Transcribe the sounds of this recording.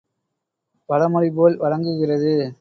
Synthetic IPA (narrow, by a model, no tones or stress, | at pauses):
pɐɻɐmʊɽɪpoːlʋɐɻɐŋɡɯɣɪrɐðɯ